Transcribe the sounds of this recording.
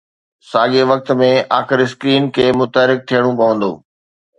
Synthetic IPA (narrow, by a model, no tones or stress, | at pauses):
saːɠeʋɐk̚t̪mẽaːxɪɾs̬kɾiːnkʰeːmʊt̪əɾɪk̚t̪ʰijəɽ̃ũpɐʋə̃nd̪o̰ː